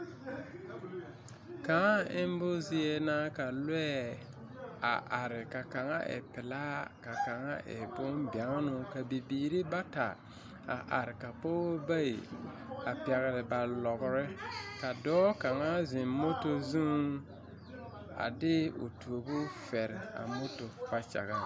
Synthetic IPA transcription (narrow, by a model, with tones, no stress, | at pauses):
ka˨˦a˦ɪ˦m˦bʊ˦zi˦ɛ˦naː˦ka˨lwɛ˦ | a̰˨ʔa˨ɾɪ˨ka˨ka˨ŋa̰˦ʔɪ̰˨pɪ˨laː˦ka˨ka˨ŋa˦ʔɪ̰˨bʊ˦mba˨˦ŋ˦nʊ˦ka˨bi˨biː˨ɾi˦ba˦ta̰˨ | a̰˨ʔa˨ɾɪ˨ka˨po˦ba˦i˨a˨pɛ˨ɣɪ˨ɾɪ˨ba˨lɔ˨ɡʊ˨ɾɪ˦ka˨dɔː˦ka˨ŋa˦zɪ˨mmo˦to˦zu˦ | a̰˨dɪ˦o̰˨tu˨o˨bʊ˦fɛ˨ɾɪ˨a̰˨mo˦to˨b̥a˦t͡ʃa̰˨ɣa˦